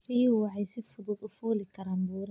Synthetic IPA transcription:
riːʊwɑʕɑjsɪfʊðʊðʊfuːlɪkʰɐɾaːmbuːɾɐ

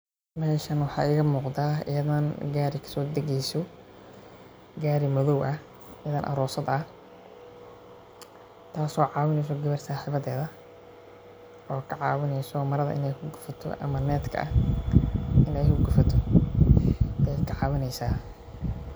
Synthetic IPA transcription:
mɛːʃɐnwɑħɑ̰ːʔɪɣɐmuːqd̪aːɪ̰jɐðɐnɡaːɾɪkʰɐ̥sɔːd̪ɐɣɛjsɔ | ɡaːɾɪmɔðɔwʔɐ | ɪjɐðɐːnʔɐ̰ɾɔːsɐd̪ɐ | t̪ʰaːsɔːʕɑːwɪnɛjs̬ɔɡɐβɐrsaːħiːβɐðɛːðɐ | ʔɔːkʰɐʕɑːwɪnɛjsɔːmɐɾɐðɐ̰ʔɪ̰nɛjkʰʊɡʊfɐt̪ʰɔ̰ʔɐ̰mɐnɛːt̪kʰɐ̰ʔɐ | ʔɪnɛjkʰʊɡʊfɐt̪ʰɔ | jjkʰɐʕɑːwɪnɛjsaː

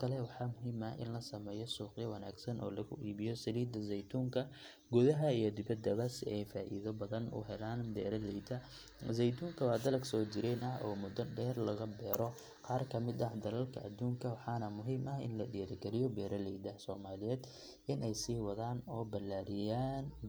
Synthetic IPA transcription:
kʰɐlɛwɑħɑːmʊɦiːmɐʔɪ̰nlɐsɐmɛːjɔsuːqɪjɔwɐnaːɡsɐnʔɔ̰ːlɐɣʊ̰iːβɪjɔsɐliːd̪ɐzɛjt̪ʰuːŋkʰɐ | ɡʊðɐɦɐijɔd̪ɪbɐd̪ɐβɐsɪʔɛjfaːʔḭːðɔbɐðɐnʊ̰ɦɛlaːnd̪ɛːɾɐlɛjd̪ɐ | zɛjt̪ʰuːŋkʰɐwɑːd̪ɐlɐksɔːt͡ʃɪɾɛːnʔɐɦɔːmʊd̪ɐɖɛːrlɐɣɐbɛːɾɔ | qɑːrkʰɐmɪd̪ɐhd̪ɐlɐlkʰɐʔɐd̪uːŋkʰɐwɑħɑːnɐmʊɦiːmɐɦɪ̰nlɐɗijɾɪɡɛlɪjɔbɛːɾɐlɛjd̪ɐhsɔːmaːlɪjɛːd̪ | ʔɪnɛjsiːwɐðaːnɔːbɐlːaːɾɪjaːn

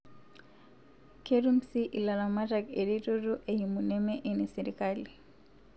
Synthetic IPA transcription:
keɾumsiʔilalamatakeɾituɾuʔejimunɛmɛʔenisɛɾikali

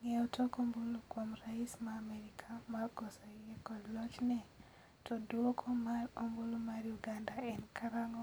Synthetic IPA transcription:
ŋɛɔtɔkombolokomraismaːmɛɾikʰamarkɔsaɛkɔdlɔt͡ʃnɛ | tɔdwokʰomaɾombulumaɾjuɡandaɛnkaɾaŋɔ

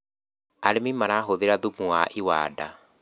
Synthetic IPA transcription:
aɾemimaɾaːɦoðeɾaðumuwaʔiwa̰ːda

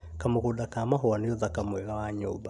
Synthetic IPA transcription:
kamokudakamaɦɔanɪjɔðakamwɛɣawaɲṵːba

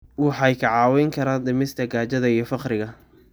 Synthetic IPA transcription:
wɑħɑjkʰɐʕɑːwɛjŋkʰɐɾaːnd̪ɪmɪst̪ʰɐɡaːt͡ʃɐðɐijɞfɑqɾɪɣɐ

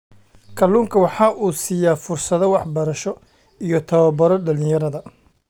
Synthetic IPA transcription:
kʰɐluːŋkʰɐwɑħɑːʔuːsiːjaːfʊrsɐðɔwɑħbɐɾɐʃɔ | ijɞt̪ʰɐβɐbɐɾɔɖɐlɪ̃jɐɾɐðɐ

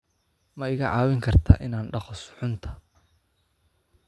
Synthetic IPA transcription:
mɐɪɣɐʕɑːwɪŋkʰɐrt̪ʰa̰ːʔɪnaːnɖɑχɔsħʊnt̪ʰɐ̥

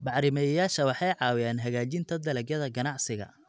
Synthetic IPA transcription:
bɑħɾɪmɛjɐjaːʃɐwɑħɑjʕɑːwɪjaːnɦɐɣaːt͡ʃɪnt̪ʰɐd̪ɐlɛɡjɐðɐɡɐnɑʕsɪɣɐ̰

